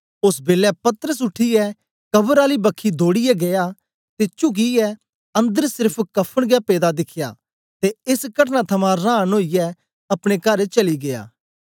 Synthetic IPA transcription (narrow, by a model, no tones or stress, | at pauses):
ʊsbeːlɛpɐt̪əɾəs̬ʊʈʰijɛ | kɐbəɾaːlibɐkʰːid̪ʱoːɽijɛɡɐja | t̪et͡ʃʊk̬iɛ | ɐ̃nd̪əɾsɪɾpʰkɐpʰːəɽ̃ɡjapeːd̪ad̪ɪkʰja̰ | t̪eɪskɐʈnat̪ʰɐmãɾãːnoːijɛ | ɐpɽ̃ekɐɾet͡ʃɐliɡeja̰ː